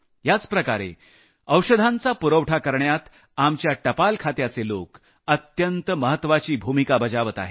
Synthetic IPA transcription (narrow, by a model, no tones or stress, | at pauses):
jat͡spɾəkaɾḛ | əwɕəd̪ʱãnt͡sapuɾəwʈʰakəɾɳjat̪ | amt͡ɕjaʈəpalkʰat̪jat͡selok | ət̪jənt̪əməɦət̪ːʋat͡ɕiːbʱumikabəd͡ʑaʋət̪a̰ɦe